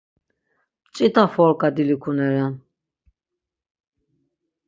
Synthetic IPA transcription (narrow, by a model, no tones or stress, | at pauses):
pt͡ʃʼit̪ʰʼafɔɾkʼad̪ilikʰunɛɾan